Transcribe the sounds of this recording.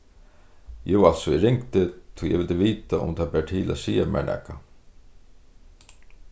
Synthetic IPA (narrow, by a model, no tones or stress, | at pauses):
jɛʋalsɔiɾɪŋkt̪ɪt̪ʰʊjɛ̰ʋɪlt̪əʋiːt̪aʔʊ̰mt̪ʰaðbæːʈʰiːlʔæ̰ðsiːamɛ̰ɳɛ̰kːa